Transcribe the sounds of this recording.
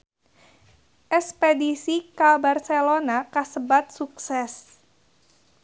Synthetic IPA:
ʔɛspedisikabarselonakasəbat̪̚suksɛs

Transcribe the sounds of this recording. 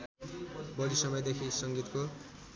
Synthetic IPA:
bʌɾisʌmʌjd̪ekʰisʌŋɡit̪ko

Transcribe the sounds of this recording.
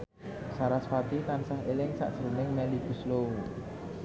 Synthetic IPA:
saɾasfat̪it̪ansaɦelɪŋsa̰ʔd̥ʒ̥əɾənɪŋmɛliɡ̥ṳslou

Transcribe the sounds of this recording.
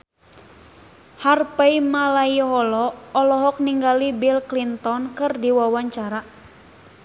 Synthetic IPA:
harpaimalajɦɔlɔɔlɔɦɔk̚niŋɡalibilklint̪ɔnkɨrdiwawaɲt͡ʃaɾa

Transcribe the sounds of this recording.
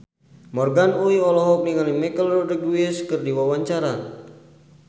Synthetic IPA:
mɔrɡanuiɔlɔɦɔk̚niŋalimɛkəlrɔdəɡwiɛskɨrdiwawaɲt͡ʃaɾa

